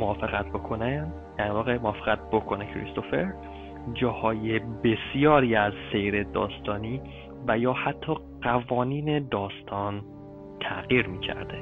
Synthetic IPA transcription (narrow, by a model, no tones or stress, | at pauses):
moɒːfe̞ɣæt̪̚ʰbo̞kʰo̞ne | d̪̥æɾvɒːɣe̞moɒːfeɣæt̪̚bokʰo̞nekʰɾḭst̪o̞feɾ | d͡ʒɒːhɒːjebe̞sijɒːɾiːæzse̞jɾe̞d̪ɒ̰ːst̪ʰɒːniː | væjɒːhæt̪ʰːɒː | ɢ̥ævɒːniːne̞d̪ɒːst̪ʰɒːn | t̪ʰæɣiːɾmiːcʰæ̰ɾd̪̥e